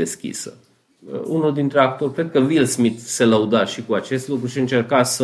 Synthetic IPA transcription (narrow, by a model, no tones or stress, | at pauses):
e̞skʲḭsə̰ | unuld̪int̪ɾeak̚t̪o̞rʲkɾe̞d̪̚kəvilsmit̪se̞ləud̪aʃikuat͡ʃe̞st̪lukɾuʃiɨnt͡ʃe̞rkasə